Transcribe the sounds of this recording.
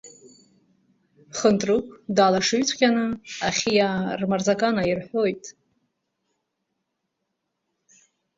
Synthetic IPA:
χəntʼrɨkʷʰʼdaːlaʂɨɥt͡sʷʰʼqʲʼanɨaχʲijarmarzakʼanairħʷo̞jtʼ

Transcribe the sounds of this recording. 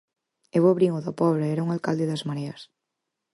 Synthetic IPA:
eβoβɾiŋʊðɐpɔβɾaɛɾaɐuŋalkald̪eðɐzmaɾeɐs

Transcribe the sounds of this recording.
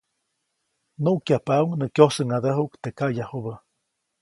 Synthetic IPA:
nuʔkjapawŋnəkjosəŋad̪əɦuʔkt̪ekajahubə

